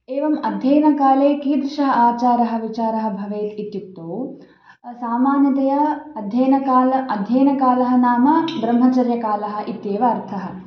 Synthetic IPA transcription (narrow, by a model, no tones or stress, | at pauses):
eːʋɐmɐd̪ʱjɐjnɐkaːleːkiːd̪ɾɪʃɐɦɐaːt͡ʃaːɾɐɦɐ̆ʋit͡ʃaːɾɐɦɐ̆bʱɐʋeːt̪it̪jut̪ːoː | saːmaːnjɐt̪ɐjɐɐd̪ʱjɐjnɐkaːlɐɐd̪ʱjɐjnɐkaːlɐɦɐnaːmɐbɾɐmɦɐt͡ʃɐɾjɐkaːlɐɦɐ̆ʔit̪jeːʋɐːɾt̪ʰɐɦɐ̆